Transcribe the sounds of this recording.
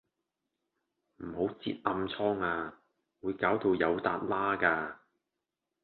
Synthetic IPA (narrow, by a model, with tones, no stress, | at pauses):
m̩˨˩ho˨˥wt͡sḭː˧t̚ʔɐ˧mt͡sʰɔː˥ŋaː˧ | wuː˨˧jkaː˨˥wt̪o˧wjɐ˨˧wt̪a̰ː˧t̚laː˥kaː˧